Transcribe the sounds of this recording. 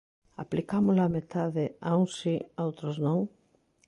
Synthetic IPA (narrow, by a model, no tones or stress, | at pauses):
a̰plikamʊlaːmet̪aðɪauŋsiowt̪ɾoznõŋ